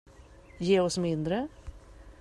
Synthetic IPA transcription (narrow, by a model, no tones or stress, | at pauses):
jeːɔsmɪnd̪ɾə